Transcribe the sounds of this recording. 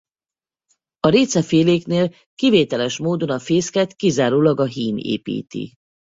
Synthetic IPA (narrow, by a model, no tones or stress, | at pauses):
ɒɾeːt̪sɛfeːleːkneːl | kiveːt̪ɛlɛʃmoːd̪o̞nɒfeːskɛt̪kizaːɾoːlɒɡɒɦiːnḛːpḭːt̪ḭ